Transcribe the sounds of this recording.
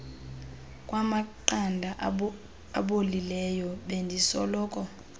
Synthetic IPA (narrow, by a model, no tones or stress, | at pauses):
kʼwamaǃandʱa | a̰ɓolilɛjɔɓɛndʱisɔlɔːkʼɔ